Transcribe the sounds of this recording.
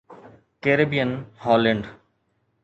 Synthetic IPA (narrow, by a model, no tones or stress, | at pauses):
keːɾebijənhɔːleɳɖ